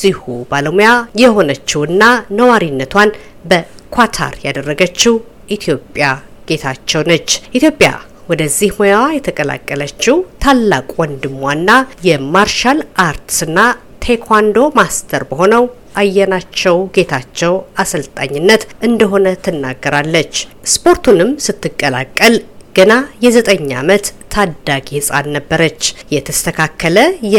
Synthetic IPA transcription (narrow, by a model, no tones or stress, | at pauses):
zihubaləmujajɛho̞nət͡ʃːɛwɨnːanəwaɾinːət̪ʰwan | bəkʰʷwat̪ʰa̰ɾjad̪ərːəɡət͡ʃːi | ʔit̪ʰijo̞pʼjaɡ̥e̞t̪ʰat͡ʃːɛwnət͡ʃːʔit̪jo̞pʼja̰ | wɔd̪əzːihmojawajɛt̪ʰəkʼəla̰kʼːələt͡ʃːiwt̪ʰalːakʼwɔnd̪ɨmːwanːajɛmaɾʃalʔaɾt̪ɨnːa | t̪ʰekʰwand̪o̞mast̪ʰəɾbəho̞nəw | ʔajːɛnat͡ʃːɛwɡe̞t̪ʰat͡ʃːɛwasəlt̪ʼa̰ɲːɪnːət̪ʔɨnd̪əɦo̞nət̪ʰɨnːa̰ɡːəɾalːət͡ʃːspʰo̞ɾt̪ʰunɨmsɨt̪ːɨkʼːəla̰kʼːəlɡ̥ənajɛzət̪ʼəɲːa̰mət̪ʰːad̪aɡihɨsʼa̰nːəbːəɾət͡ʃːjɛt̪ʰəst̪ʰəkʰakʰːələj